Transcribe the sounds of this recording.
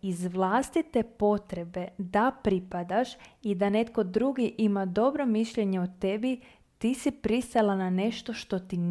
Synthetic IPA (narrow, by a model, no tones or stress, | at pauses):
izʋlˠast̪it̪epo̞t̪ɾe̞be̞d̪apɾipad̪aʃid̪ane̞t̪ko̞d̪ɾuɡiʔimad̪o̞bɾomiʃʎeɲeot̪e̞bi | t̪isipɾist̪alˠanane̞ʃt̪o̞ʃt̪o̞t̪in